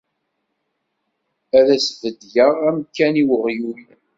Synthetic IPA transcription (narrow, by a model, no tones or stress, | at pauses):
æðæsvəd̪ʝəʁæmkːæniwəʁjul